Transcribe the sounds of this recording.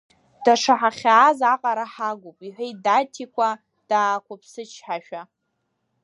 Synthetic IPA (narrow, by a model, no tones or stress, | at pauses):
d̥aʂaħaχʲaːzaqʼaɾaħaɡʷupʼiħʷejdatʰikʷʰa | d̥aːkʷʰapʰsɨt͡ʃʰħaʃᶣa